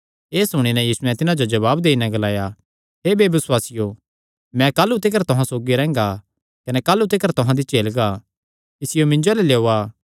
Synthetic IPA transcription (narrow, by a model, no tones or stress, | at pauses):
eːsʊɽ̃inɛ̃jiːsuɛ̃t̪ɪnãd͡ʒod͡ʒɐbaːbd̪eːinɛ̃ɡɐlaːja | ɦeːbeːbɪswaːsɪjo | mɛ̃kaːlːut̪ɪkəɾt̪ʊɦãsoːɡiɾɛ̃ːŋɡa | kɐnɛkaːlːut̪ɪkəɾt̪ʊɦãd̪it͡ʃeːlɡa | ɪsɪjomɪ̃ɲd͡ʒoleleːoːaː